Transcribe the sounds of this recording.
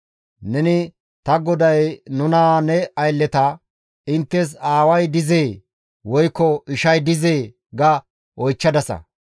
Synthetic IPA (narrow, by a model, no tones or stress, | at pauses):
nɛnɪ | t̪ɐɡɔd̪ɐjnʊnaːnɛɐjlːɛt̪ɐ | ɪnt̪ːɛs̬aːwɐjd̪ɪzeː | wɔjkːɔɪʃɐjd̪ɪzeː | ɡɐ | ʔɔjt͡ʃːɐd̪ɐsɐ̰